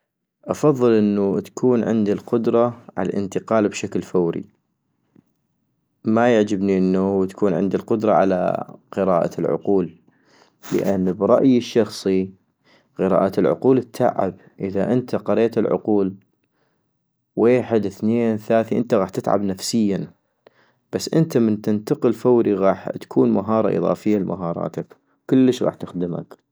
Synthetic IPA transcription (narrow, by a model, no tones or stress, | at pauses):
ʔɑfɑðˤːɨlʔɪnːut̪ḁkʰuːnʕɪ̰nd̪ilqʊd̪ɾˤɑʕa̰la̰lʔɪnt̪ɪqɑːlbʃaklfawɾḭ | majaʕd͡ʒɪbniʔɪnːawt̪ḁkuːnʕɪ̰nd̪ilqʊd̪ɾˤɑʕa̰la̰qɨɾaːʔa̰lʕʊ̰quːlː | ə̰ʔanːbɾˤɑʔjɪʃːɑxsˤi | qɪɾɑ̰ːʔat̪ɪlʕʊ̰quːlt̪ʰːa̰ʕʕa̰b | ʔəðaʔənt̪ʰaqɑɾeːt̪ɪlʕʊ̰quːl | weːħɪd̪θneːnθlaːθiʔɪnt̪aɣaːħt̪ɪt̪ʕa̰bnafsɪjːa | b̥asːʔənt̪amənt̪ɪnt̪aqəlfawɾiɣɑːħt̪ḁkʰuːnmaɦɑːɾˤɑ̰ʔɨ̰ðˤɑ̰ːfɪjːalma̰ɦɑːɾˤɑ̰ːt̪ak | kʊlːəʃɣɑ̰ːħt̪ɪxd̪əma̰k